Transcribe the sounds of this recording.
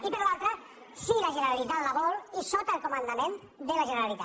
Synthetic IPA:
ipəɾlalˠt̪ɾə | silaʒəneɾalit̪at̪laβɔlisot̪aəlˠkomənd̪amẽn | d̪əlaʒəneɾalit̪a

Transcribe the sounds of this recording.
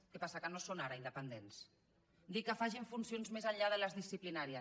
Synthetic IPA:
kepasəkənosonaɾəind̪əpənd̪ens | d̪ikəfaʒiɱfunsionzmezaʎʎaðələzðisiplinaɾiə

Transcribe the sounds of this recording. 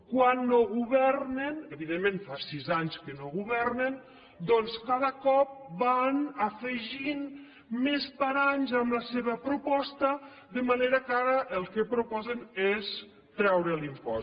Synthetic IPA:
kwanːoɣuβɛrnenəβiðemːẽnfasizaɲskənoɣuβɛrnen | d̪ɔnskaðəkɔp̚banəfəʒin | mespaɾaɲzəmləseβəpɾupɔst̪ə | ðəmaneɾakaɾəʔəlˠkepɾupɔzenes | t̪ɾɛwɾəlimpɔ̰

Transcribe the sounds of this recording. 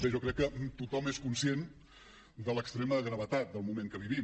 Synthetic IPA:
ɛʒɔkɾɛkːət̪ut̪ɔmeskunsijen | d̪ələkst̪ɾeməɣɾəβət̪at̪̚d̪əlˠmumẽŋkəβiβi

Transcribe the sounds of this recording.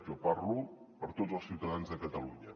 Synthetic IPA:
ʒɔpaɾlu | pəɾt̪ozəlˠsiwt̪əðanzðəkət̪əluɲə

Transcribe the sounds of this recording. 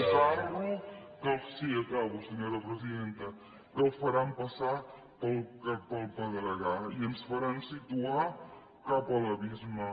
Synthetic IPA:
saɾɣukəlsiɐkaβusəɲoɾəpɾəziðent̪ə | kəlfɐɾampɐsa | pəlˠkpəlˠpəðəɾəɣaiənsfɐɾansit̪ua | kapələβizmə

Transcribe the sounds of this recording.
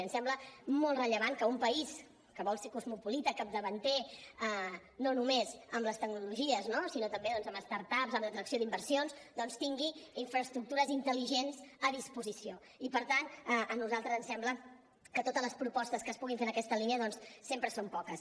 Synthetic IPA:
ənsɛmbləmolˠt̪rəʎəβ̞ankəumpəis | kəβɔlˠsekuzmupulit̪əkət̪̚d̪əβənt̪eə | nonumezəmləst̪əɡnuluʒiəznosinot̪əmbeðɔnzəməst̪aɾt̪apzəmlət̪ɾəksijoðimbəɾsionzd̪ɔnst̪iŋɡiiɱfɾəst̪ɾuk̚t̪uɾəzint̪əliʒenzəðispuzisio | ipəɾt̪anʔənuzalˠt̪ɾəzənsɛmblə | kət̪ot̪əzləspɾupɔst̪əskəspuɣiɱfenəkɛst̪əliniəðɔnssːempɾəsompɔkəs

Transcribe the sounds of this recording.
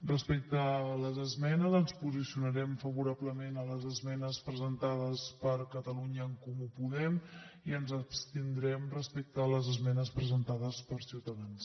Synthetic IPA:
rəspek̚t̪ələzəzmɛnəzənspuzisiunəɾɛmfəβuɾabləmenələzəzmɛnəspɾəzənt̪aðəspəɾkət̪əluɲəːŋkumupuðɛm | iənzəpst̪ind̪ɾɛmrəspek̚t̪əːləzəzmɛnəspɾəzənt̪aðəspəɾsiwt̪əðans

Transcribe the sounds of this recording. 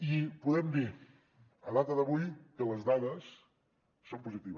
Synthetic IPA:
ipuðɛmd̪i | əlˠat̪əðəβujkələzd̪aðəsː | ompuzit̪iβə

